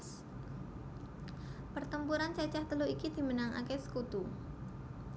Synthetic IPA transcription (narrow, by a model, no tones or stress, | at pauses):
pərt̪əmpuɾant͡ʃat͡ʃaht̪əluikid̪̥i̤mənaŋa̰kɛsə̥kut̪u